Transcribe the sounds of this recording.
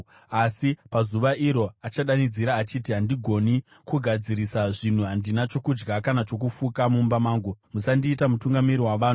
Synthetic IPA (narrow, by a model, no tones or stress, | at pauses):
asipazuʋaʔiɾo̞at͡ʃaɗanid͡ziɾaːt͡ʃitiɦandiɡʱo̞ni | kuɡʱad͡ziɾisaʐin̤uɦandinat͡ʃo̞kud͡ʒɡakanat͡ʃo̞k̬ufukamumbamaːŋɡumusandiːtamutuŋɡamiɾiwaʋaːn̤u